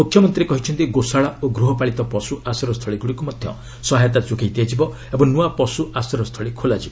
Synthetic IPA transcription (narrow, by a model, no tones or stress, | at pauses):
mukʰjɔmɔnt̪ɾiekɔɦit͡ʃʰɔnt̪iɡosaɭaoɡɾuɦɔpaɭit̪ɔpɔsuasɔɾɔst̪ʰɔɭiɡuɽikumɔd̪ʱjɔ̰ | sɔɦajɔt̪at͡ʃuɡʱajt̪iad͡ʒibɔ | ebɔŋnuapɔsuasɔɾɔst̪ʰɔɭikʰolad͡ʒibɔ